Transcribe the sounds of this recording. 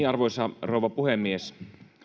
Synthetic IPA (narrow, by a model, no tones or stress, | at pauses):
iɑrʋoisɑroˑuʋɑpuhemːies